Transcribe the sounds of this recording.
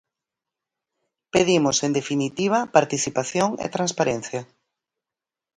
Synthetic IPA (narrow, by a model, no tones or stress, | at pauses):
peðimosend̪efinit̪iβ̞ɐpaɾt̪iθipaθjoŋḛt̪ɾãnspaɾẽn̟θja